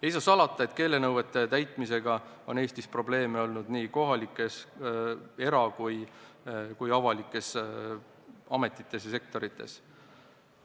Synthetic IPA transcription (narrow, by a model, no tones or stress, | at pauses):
ejsɑsɑlɑt̪ːˑɑe̞t̪ke̞ːle̞nɤwve̞t̪ːˑe̞t̪æjt̪ˑmise̞ɡ̥ɑ | o̞ne̞ːst̪ispro̞ble̞ːmeo̞lnud̪niːko̞ɦɑlikːˑe̞s | e̞ɾɑkuj | kujɑvɑlikːˑe̞s | ɑme̞t̪ːˑi̥t̪ːˑe̞s̬jɑs̬e̞k̚t̪o̞ɾit̪ːˑe̞̰s